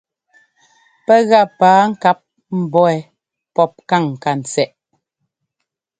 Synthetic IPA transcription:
pɛ˦ɣa˦˨paː˨˦ŋ̩˦ka˦p̚ | m̩˨bɔ˦ɛ˨ | pɔ˦˨p̚ka˦˨ŋ˨ka˨n̩˨t͡sɛ˨ʔ

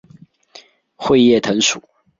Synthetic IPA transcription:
xwe˥˧ɪjɛ˥˨t̪ʰə˧˦ŋʂu˨˩˦

